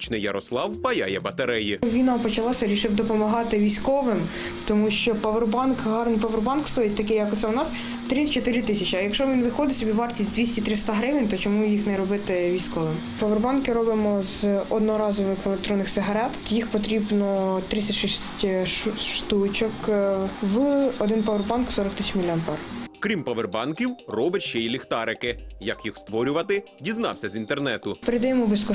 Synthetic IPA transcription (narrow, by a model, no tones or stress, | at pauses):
t͡ʃnɪjɐɾɔslˠɑwbɐjɑ̰jɛbɐt̪ɐɾɛjiʋʲinɑpɔt͡ʃɐlˠɑsʲɐɾʲiʃɪwd̪ɔpɔmɐɦɑt̪ɪʋʲijsʲkɔʋɪm | t̪ɔmuʃt͡ʃɔpɐʋerbɑnkɦɑrnɪjpɐʋerbɑnkst̪ɔjit̚ʲt̪ɐkɪjɐkʊt̪sɛʊnɑs | t̪ɾɪt͡ʃɔt̪ɪɾʲɪt̪ɪsʲɐt͡ʃiɐjɐkʃɔʋʲinʋɪxɔd̪ɪsʲɔbʲiʋɑrtʲisʲd̪ʋʲisʲtʲit̪ɾɪst̪ɑɦɾɪʋɪnʲt̪ɔt͡ʃɔmujixnɛɾɔbɪt̪ɪʋʲijsʲkɔʋɪm | pɐʋerbɑnkɪɾɔbɪmɔzɔd̪nɔɾɑzɔʋɪxelˠek̚t̪ɾɔnːɪxsɪɦɐɾɛt̪t̪ɔjixpɔt̪ɾʲibnɔt̪ɾɪt͡sʲsʲɐʃɛsʲtʲʃt̪ut͡ʃɔk | ʋɪɔd̪ɪnpɐʋerbɑnksɔɾɔk̚t̪ɪsʲit͡ʃmʲilʲɐmpɛrkɾʲimpɐʋerbɑnkʲiwrɔbɪtʲʃt͡ʃɛilʲixt̪ɑɾɪkɪjɐkjixst̪ʋɔɾʲʊʋɐt̪ɪ | dʲiznɑ̰wsʲɐzint̪ernɛt̪ʊpeɾed̪ɛjɛmʊbɪskɔ